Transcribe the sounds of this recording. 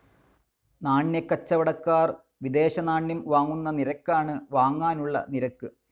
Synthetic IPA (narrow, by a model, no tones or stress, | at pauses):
naːɳjɐkːɐt͡ɕːɐʋɐɽɐkːaːr | ʋid̪e̞ːɕɐnaːɳjɐmʋaːŋːunːɐniɾɐkːaːɳɨʋaːŋːaːnuɭːɐ̰niɾɐkːɨ